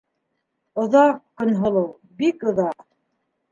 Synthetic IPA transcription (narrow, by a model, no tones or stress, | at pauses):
ŏðɑqkɵ̆nɦŏlˠɤw | bikŏðɑq